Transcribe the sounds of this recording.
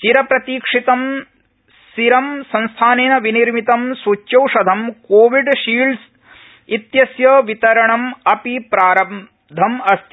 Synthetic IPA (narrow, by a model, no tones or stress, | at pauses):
t͡ʃiɾɐpɾɐt̪iːkʂit̪ɐm | siɾɐmsɐ̃nst̪ʰaːneːnɐʋiniɾmit̪ɐmsuːt͡ʃjɐwʂɐd̪ʱɐmkoːʋiɖʃiːls | it̪jɐsjɐʋit̪ɐɾɐɳɐmɐpipɾaːɾɐ | d̪ʱɐmɐst̪ʰ